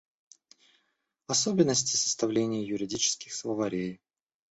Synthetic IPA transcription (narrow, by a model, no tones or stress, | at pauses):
ɐsobʲɪnːəsʲtʲɪ̥sə̥st̪ɐvlʲenʲɪjəjʊɾʲɪdʲit͡ɕɪ̥skʲɪxslˠəvɐɾʲej